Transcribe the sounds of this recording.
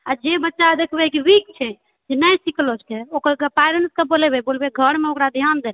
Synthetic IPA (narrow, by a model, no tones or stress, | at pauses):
ad͡ʒebətːʃad̪ekʰbɛkiɾik̚t͡ʃʰɛ | d͡ʒenəjsiklot͡ʃʰkeokəɾkepajɾenskebolebɛbolbeɡʱəɾmeokɾad̪ʱjand̪elɛ